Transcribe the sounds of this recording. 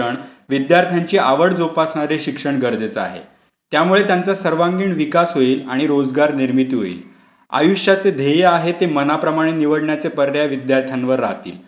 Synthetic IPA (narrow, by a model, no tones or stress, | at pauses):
əɳʋid̪jaɾt̪ʰjaɲt͡ɕiːʔaʋəɽd͡zopasɳaɾeɕikʂəɳɡəɾd͡zet͡səa̰ɦḛ | t̪jamuɭet̪jant͡sasəɾʋaŋɡiːɳʋikasɦoiːlaɽ̃iɾod͡zɡaɾniɾmit̪iɦo̰ḭːl | a̰juʂjat͡sed̪ʱejəaɦet̪emənapɾəmaɽ̃eniʋəɽɳjat͡sepəɾːjaʋid̪jaɾt̪ʰjanʋəɾːa̰ɦt̪ḭːl